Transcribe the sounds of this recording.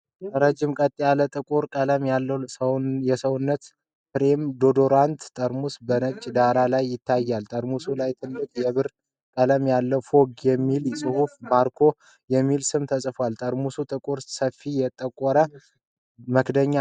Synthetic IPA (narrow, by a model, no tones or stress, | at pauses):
ɾəd͡ʒːɪmkʼət̪ʼːijalət̪ʼɨkʼuɾkʼələmjalːəjɛsəwʊnːət̪ | pɾemd̪o̞d̪o̞ɾant̪t̪ʼəɾmusbənət͡ʃʼːd̪aɾalajːɪt̪ʰːajːalt̪ʼəɾmusulajt̪ʰɨlːɨkʼjɛβɨɾ | kʼələmjalːəfo̞ɡjɛmːilsʼɨhufmaɾkʰo̞ | jɛmːilsɨmt̪ʰəsʼfalt̪ʼəɾmusut̪ʼɨkʼuɾsəfijɛt̪ʼːəkʼːɔɾə | məkd̪əɲːa